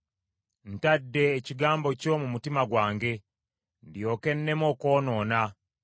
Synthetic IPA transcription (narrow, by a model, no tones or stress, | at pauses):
n̩tadːe̞ːciɡaːmbo̞co̞ːmumutimaɡwaːŋɡe̞ | ndjo̞ːke̞nːe̞mo̞ːko̞ːnoːna